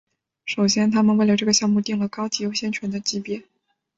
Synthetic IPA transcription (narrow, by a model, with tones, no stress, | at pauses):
ʂo˨˩ʊɕjɛ˥nt̪ʰa˥mə˨nwe˥˩ɪlə˩ʈ͡ʂɤ˥˩ɡə˩ɕjɑ˥˧ŋmu˥˧t̪i˥˩ŋlə˩kɑ˥ʊt͡ɕi˧˥jo˧˥ʊɕjɛ˥˩nt͡ɕʰɥɛ˧˥nd̪ə˧t͡ɕi˥pjɛ˥˩